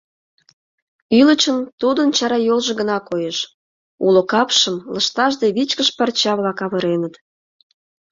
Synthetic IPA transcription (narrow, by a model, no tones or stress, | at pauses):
ylət͡ɕənt̪ud̪ənt͡ɕɑɾɑjolʒĕɣənɑkojeʃ | ulokɑpʃəmləʃt̪ɑʒd̪eβit͡ɕkəʃpɑrt͡ɕɑβlɑkɑβəɾenət̪